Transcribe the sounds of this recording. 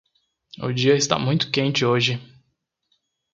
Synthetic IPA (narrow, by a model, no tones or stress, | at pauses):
ʊ̰d͡ʒiɐɪst̪a̰mũj̃t̪ʊ̥kẽnt͡ʃɪoʒɪ